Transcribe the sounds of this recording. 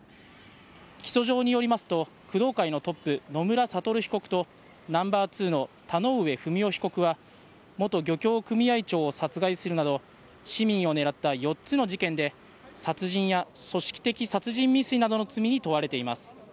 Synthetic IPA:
kʲi̥so̞ʑo̞ːɲ̟ijo̞ɾʲimasɨ̥t̪o̞ | kɯ̟d̪o̞ːkaino̞t̪o̞pːɯ̟no̞mɯ̟ɾasat̪o̞ɾɯ̟çi̥ko̞kɯ̟̥t̪o̞ | nãmbaːt͡sɨːno̞t̪ano̞ːɯ̟e̞ɸɯ̟mʲio̞çi̥ko̞kɯ̟βa | mo̞t̪o̞ɡʲo̞kʲo̞ːkɯ̟mʲiait͡ɕo̞ːsat͡sɨɡaisɨɾɯ̟nad̪o̞ | ɕimʲĩɰ̃o̞ne̞ɾat̪ːajo̞tt͡sɨno̞ʑikẽ̞nd̪e̞ | sat͡sɨʑĩɰ̃jaso̞ɕi̥kʲi̥t̪e̞kʲisat͡sɨʑĩmːʲisɨinad̪o̞no̞t͡sɨmʲiɲ̟it̪o̞βaɾe̞t̪e̞imasɨ̥

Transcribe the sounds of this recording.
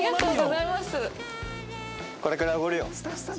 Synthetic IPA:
at̪o̞ːɡo̞zaimasɨ | koɾe̞kaɾaoɡoɾɯjo

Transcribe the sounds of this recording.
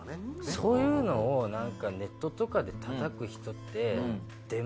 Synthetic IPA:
sso̞ːjɯ̟ːno̞ːnãŋkane̞t̪ːo̞t̪o̞kad̪e̞t̪ʰat̪akɯ̟çi̥t̪o̞t̪ːe̞ | d̪̥e̞m

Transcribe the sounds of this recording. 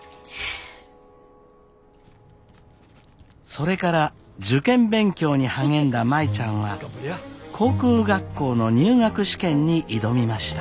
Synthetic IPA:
so̞ɾe̞kaɾa | d͡ʑɨkẽ̞mbẽ̞ŋkʲo̞ːɲ̟ihaŋẽ̞nd̪amait͡ɕãɰ̃βa | kʰo̞ːkɯ̟ːɡakːo̞ːno̞ɲ̟ɨːŋakɯ̟ɕi̥kẽ̞ɲ̟ːiʔid̪o̞mʲimaɕi̥t̪ḁ

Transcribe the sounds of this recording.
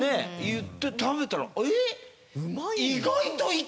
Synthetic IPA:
ejɯt̪ːe̞t̪aβe̞t̪aɾa̰e | iɡait̪oi

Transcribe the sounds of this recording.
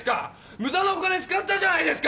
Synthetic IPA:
ska | mɯt̪anõkad̪esɨ̥kat̪ːad͡ʑanaid̪esɨ̥ka

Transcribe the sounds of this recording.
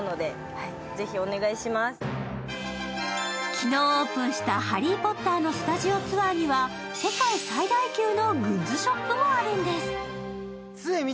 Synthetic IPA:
no̞d̪e̞ | ai | ze̞çio̞ne̞ɡaiɕimasɨ̥ | kʲʰino̞ːoːpɯ̟̃ɰ̃ɕi̥t̪ahaɾʲipo̞t̪ːaːno̞sɨ̥t̪aʑio̞t͡sɨβaɲ̟iβa | se̞kaisaid̪aikʲɨːno̞ɡɯ̟̃ɲd͡ʑiɕo̞pːɯ̟mo̞aɾɯ̟̃nd̪e̞sɨ̥ | t͡sɨemʲi

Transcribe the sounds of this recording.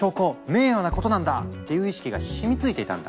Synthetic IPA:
o̞ːko̞me̞ːjonako̞t̪o̞nãnd̪at̪ːe̞jɯ̟ːiɕi̥kʲiɡaɕimʲit͡sɨit̪e̞it̪ã̰nd̪a̰

